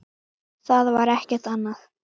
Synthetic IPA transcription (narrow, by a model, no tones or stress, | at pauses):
θaðvaɾɛhcɛɾ̥t̪anːaθ